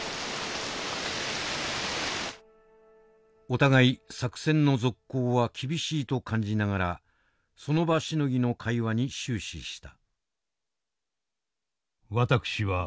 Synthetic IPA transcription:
o̞t̪aɡaisakɯ̟̥sẽ̞nːo̞zo̞kːo̞ːβakʲʰibʲiɕiːt̪o̞kʰãɲ̟d͡ʑinaɡaɾa̰ | so̞no̞baɕino̞ɡʲino̞kʰaiβaɲ̟iɕɨːɕḭɕi̥t̪ḁ | βat̪akɯ̟̥ɕiβa

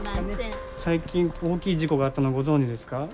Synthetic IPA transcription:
saikʲĩŋo̞ːkʲiːd͡ʑiko̞ɡaːt̪ːano̞ɡo̞zõɲ̟d͡ʑid̪e̞sɨ̥ka

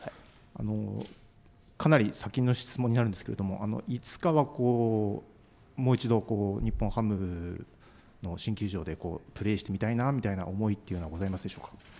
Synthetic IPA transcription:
ha | a̰no̞̰ | kanaɾʲisakʲĩnːo̞ɕi̥t͡sɨmõɲ̟ːinaɾɯ̟nd̪eskee̞̰d̪o̞mo̞̰ʔano̞̰it͡sɨ̥kaβako̞ː | mo̞ːit͡ɕid̪o̞ko̞ːɲ̟ipːõ̞ɰ̃hamɯ̟ | no̞ɕĩŋkʲɨʑo̞ːd̪e̞ko̞ːpɯ̟ɾe̞ːɕi̥t̪e̞mʲit̪ainamʲit̪aina̰omo̞it̪ːeiɯɯnoaɡo̞zaimasɨd̪e̞ɕo̞ːkḁ

